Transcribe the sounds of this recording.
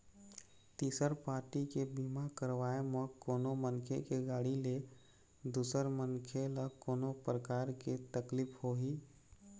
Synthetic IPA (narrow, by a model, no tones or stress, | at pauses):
t̪iːsəɾpaːɾʈikebimakəɾʋaːemẽkoːnomənkʰḛkeɡaːɽile | d̪uːsəɾməŋkʰeləkoːnopɾəkaːɾket̪əkliːphoɦiː